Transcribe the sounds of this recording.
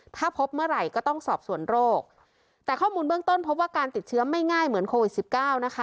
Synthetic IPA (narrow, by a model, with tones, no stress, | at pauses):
t̪ʰaː˥˩pʰo˦˥p̚mɯ˥˩əɾa˧˩jkɔː˥˩t̪ɔ˥˩ŋsɔː˨˩p̚su˨˩˦ənɾoː˥˩k̚ | t̪ɛː˨˩kʰɔː˥˩muː˧nbɯ˥˩əŋt̪o˥˩npʰo˦˥p̬̚waː˥˩kaː˧nt̪i˨˩t̪̚t͡ɕʰɯ˦˥ɐma˥˩jŋaː˥˩jmɯ˩˦ənkʰoː˧wi˨˩si˨˩p̚kaː˥˩wna˦˥kʰa˦˥